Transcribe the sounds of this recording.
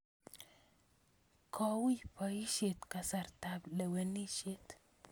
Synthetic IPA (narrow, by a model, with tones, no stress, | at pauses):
kʰɔ˦wi˦pɔ˨i˦ʃe˨t̪ka˨sa˨rt̪a˨blɛ˨we˨ni˦ʃe˦t̪